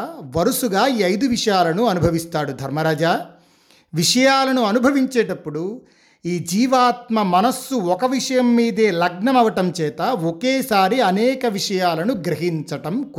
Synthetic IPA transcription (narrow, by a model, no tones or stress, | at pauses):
ʋɐɾusuɡaːiːɐjd̪uʋiʂɐjaːlɐnuɐnubʱɐʋist̪aːɽud̪ʱɐɾmɐɾaːd͡ʒaː | ʋiʂɐjaːlɐnuɐnubʱɐʋiɲt͡ʃeːʈɐpːuɽu | iːd͡ʒiːʋaːt̪̚mɐmɐnɐsːuɔkɐʋiʂɐjɐmːiːd̪eːlɐɡɳɐmɐʋɐʈɐmt͡ʃɛːt̪ɐɔkeːsaːɾiɐnɛːkɐʋiʂɐjaːlɐnuɡɾɐɦiɲt͡ʃɐʈɐmkː